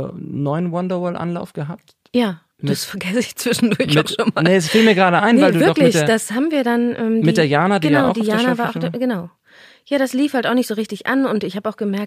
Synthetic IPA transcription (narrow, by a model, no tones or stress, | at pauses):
nɔʏənwɔndɐvɔlʔa̰nla̰ʊfɡ̥əɦap̚t | jaː | mdɪsfɛɐɡɛsəɪçt͡sv̥ɪʃn̩dʊɐçmaɪʊʃoːnmaːnəɛsfiːlmiːɐɡəʁaːɾəʔaɪnvaɪlduːvɪɐkllɪçdɐd̥ashaːbm̩viːɐdanʔɛːmmɪid̥eːɐjaːnadijaʊʊd̥iːjaːnavaːɐʔaʊɡ̥ənaʊ | jaːɾasliːfhaltaʊxnɪçtz̥oːʁ̞ɪçtɪçʔa̰nʊntɪçhaːbəaʊxɡ̥əmɛɐkt